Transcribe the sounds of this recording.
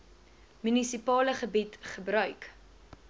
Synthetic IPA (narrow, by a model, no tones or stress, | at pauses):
mynisipɑːləχəbitχəbɾœɥk